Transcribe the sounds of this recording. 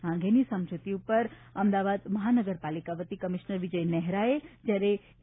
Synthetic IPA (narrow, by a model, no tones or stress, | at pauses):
ãŋɡʱenisə̃md͡ʒʱut̪iupəɾ | əmd̪aʋad̪məɦanəɡəɾpalikaʋət̪ikəmiʃnəɾʋid͡ʒəjnɛɦɾaed͡ʒjaɾe